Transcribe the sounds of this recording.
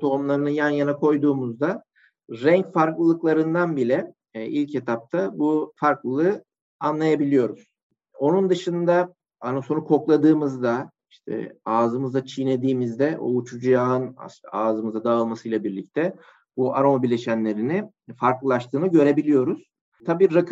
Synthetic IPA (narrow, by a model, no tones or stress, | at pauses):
t̪ʰo̞umlˠaɾɯnɯjanjanakʰo̞jd̪uːmuzd̪a | ɾɛɲcfaɾklˠɯlˠɯklˠaɾɯnd̪anbilʲɛ | ʔilʲcet̪ʰap̚t̪ʰabufaɾklˠɯlˠɯ | anlˠajabilʲijo̞ɾuz̥ | o̞nund̪ɯʃɯnd̪a | anaso̞nukʰo̞klˠad̪ɯːmɯzd̪a | iʃt̪ʰɛ̰aːzɯmɯzd̪at͡ʃʰined̪iːmizd̪ɛʔo̰ut͡ʃʰud͡ʒjaːɯna̰aːzɯmɯzad̪aːɯlˠmasɯjlˠabiɾlʲic̚t̪ʰɛ | buaɾo̞mabiɾlʲe̞ʃænlʲe̞ɾini | faɾklˠɯlˠaʃt̪ʰɯːnɯɟø̞ɾe̞bilʲijo̞ɾuz̥ | t̪ʰabiːak